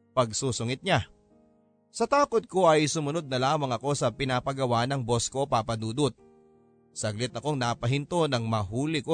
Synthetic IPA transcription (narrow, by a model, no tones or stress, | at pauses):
pɐɡ̚suːsʊŋɪt̪̚ɲa | sɐt̪aːkot̪̚ko̞ʔɐjsʊmʊno̞d̪̚nɐlaːmɐŋɐko̞sɐpɪnaːpɐɡɐwanɐŋbo̞sko̞ʔopapɐd̪uːd̪ʊt̪̚ | sɐɡlɪt̪̚ːɐko̞ŋnapɐɦɪnt̪o̞nɐŋmɐɦuːlɪko